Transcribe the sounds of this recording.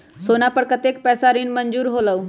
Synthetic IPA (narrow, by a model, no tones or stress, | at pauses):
soːnapəɽkət̪eːk̚pɛːsaɾiːnməɲd͡ʒuːɾɦoːləu